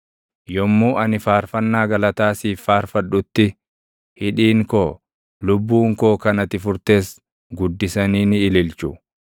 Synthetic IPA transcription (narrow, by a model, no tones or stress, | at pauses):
jɔmːuːʔɐnɪfaːɾfɐnːaːɡɐlɐt̪aːsiːfːaːɾfɐᶑʊt̪ːɪ | hɪᶑiːŋko̞ː | lʊbːuːŋko̞ːkɐnɐt̪ɪfʊɾt̪e̞ːs | ɡʊd̪ːɪsɐniːnɪːlɪlt͡ʃʊ